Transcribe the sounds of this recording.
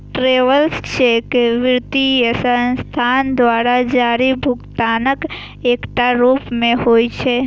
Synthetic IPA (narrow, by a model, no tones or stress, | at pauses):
ʈɾeʋəlst͡ʃʰekeʋɪɾt̪iesənst̪ʰand̪ʋaɾad͡ʒaɾibʱʊɡt̪anək | ekʈ̪aɾupmẽhoit͡ʃʰe